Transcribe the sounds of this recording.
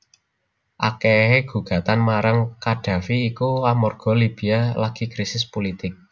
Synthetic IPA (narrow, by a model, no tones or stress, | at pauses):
ʔa̰keɦeɡ̥ṳɡ̥ä̤t̪anmaɾaŋkaɖ̥a̤fiːkuamɔrɡ̥ɔ̤lib̥i̤alaɡ̥i̤kɾisɪspolit̪ɪk̚